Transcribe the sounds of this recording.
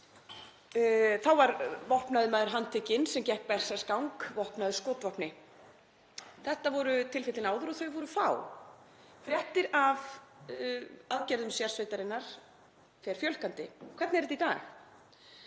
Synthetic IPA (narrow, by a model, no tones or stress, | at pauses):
θawvaɾvɔhpnaðʏmaːðʏɾ̥ɦant̪ʰɪcɪnsɛmcɛhk̚pɛr̥sɛskawŋkvɔhpnaðʏskoːt̪vɔhpnɪ | θɛht̪avɔɾʏt̪ʰɪlfɪht̪ɪnaːwðʏɾɔθœɥvɔɾʏfa̰w | fɾjɛht̪ɪɾav | aðcɛɾðʏmsjar̥sveːjt̪aɾɪnːaɾ̥ | fɛɾ̥fjœl̥kant̪ɪkʰvɛɾt̪nɛɾɛt̪ik̪aːx